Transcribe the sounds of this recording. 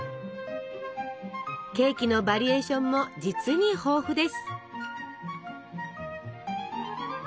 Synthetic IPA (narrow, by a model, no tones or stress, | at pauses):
ke̞ːkʲino̞baɾʲie̞ːɕõ̞mːo̞d͡ʑit͡sɨɲ̟iho̞ːɸɯ̟d̪e̞sɨ̥